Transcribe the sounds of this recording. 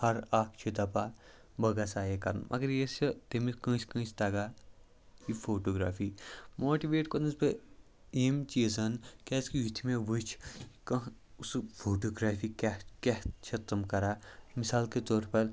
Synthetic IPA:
hɐɾaːk̚ʰt͡ʃʰid̪ɐpa | bɐɡɐsaːjekɐɾnmʔɐ̰ɡɐɾjesɐt̪emikɐ̃ːt͡ʃʰkə̃ːt͡ʃʰt̪ɐɡaː | ifʰoːʈoːɡɾaːfʰiːmoːʈiʋeːʈkonɐsbe | eːmt͡ʃiːzɐnkɛːskiit̪ʰimẽʋɨt͡ʃʰkɐ | usfʰoːʈoːɡɾaːfiːkɐkeht͡ʃʰɐt̪ɐmkɐɾaːmisaːlket̪oːɾpɐɾ

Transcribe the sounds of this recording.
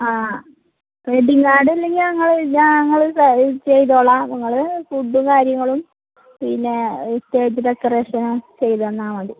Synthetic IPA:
aː | eɖiŋɡaːɽilːe̞ŋɡiɐŋːɐɭɲaŋːɐɭsɐt͡ɕe̞jt̪oːɭːɐniŋːɐɭfuɖːukaːɾjɐŋːɐɭum | pinːe̞ist̪eːɐt̪ːiɾɐkːɐreːʂɐnut͡ɕe̞jt̪ɐenːaːmɐɳɖi

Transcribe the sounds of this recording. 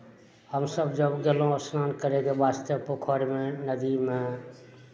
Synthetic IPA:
həmsəbd͡ʒəbɡelõəsnankəɾeɡebaːst̪əpokʰɔɾmenəd̪ime

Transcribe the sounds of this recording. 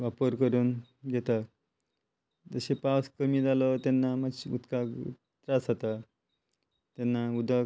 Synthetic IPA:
ʋapəɾkəɾuːn | ɡɛt̪ak | d͡zəɕepaskəmiːd͡zalət̪enːamaɕṵt̪ka̰t̪ɾasat̪a | t̪enːaud̪ʱa

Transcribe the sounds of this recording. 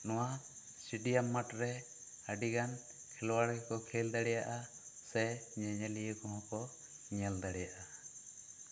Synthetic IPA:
nɔwa | siɖijamːaʈɾɛ | aɖiɡan | kʰɛlwaɽɛkɔkʰɛld̪aɽɛjaʔa | sɛɲɛɲɛlijəkɔɦɔ̃kɔ | ɲɛld̪aɽɛjaʔa

